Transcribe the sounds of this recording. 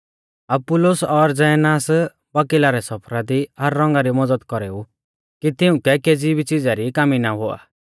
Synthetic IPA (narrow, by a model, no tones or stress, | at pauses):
ɐb̚pʊlosɔɾd͡zɛjnaːs | bakɪlaɾɛsɔpʰɾad̪iɦɐɾːɔ̃ŋɡaɾimɔd͡zəd̪kɔɾeu | kit̪ɪũkɛked͡zibit͡sɪd͡zaɾikaminaɦoa̰ː